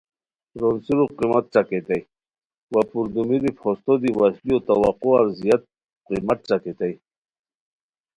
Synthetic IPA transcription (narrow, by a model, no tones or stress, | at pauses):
ɾonsiɾuqimat̪̚ʈ͡ʂaket̪aj | wapuɾd̪umiɾipʰost̪od̪iwasliot̪awaquaɾzijat̪̚ | qimat̪̚ʈ͡ʂaket̪aj